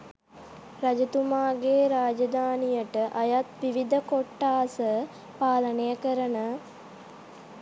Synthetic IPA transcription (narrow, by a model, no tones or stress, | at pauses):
ɾad͡ʒət̪umaːɡeːɾaːd͡ʒɐd̪aːnijəʈəʔɐjat̪ʋiʋid̪əkoʈːaːsə | paːlənejəkəɾənə